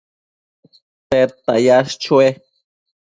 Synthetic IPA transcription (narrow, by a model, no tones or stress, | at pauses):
t̪et̪a̰jast͡ʃue